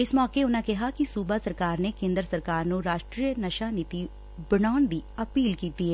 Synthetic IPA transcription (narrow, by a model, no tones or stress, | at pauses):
ɪsmɔːkeʊnãːkɪɦakisuːbaːsəɾkaːɾnekẽːnd̪ɾəsəɾkaːɾnũɾaːʃʈɾijənəʃaːniːt̪i | bənaːnd̪iːəpiːlkiːt̪iɦɛː